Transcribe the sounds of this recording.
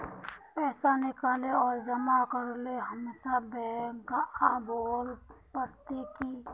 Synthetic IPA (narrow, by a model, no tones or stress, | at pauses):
pɛːsanɪkaːleɔːɾd͡ʒəmakəɾoleɦəmesabɛŋkaaːbolpəɾt̪eki